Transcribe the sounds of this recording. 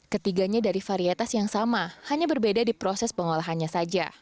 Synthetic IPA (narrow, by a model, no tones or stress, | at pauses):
kət̪iɡaɲadaɾifaɾiat̪asjaŋsamahaɲabərbedadipɾosɛspəŋolaɦanɲasad͡ʒa̰